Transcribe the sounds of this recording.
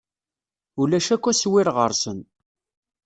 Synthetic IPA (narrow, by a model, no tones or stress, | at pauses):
ulæʃækʷːæswɪɾʁə̰ɾˤsən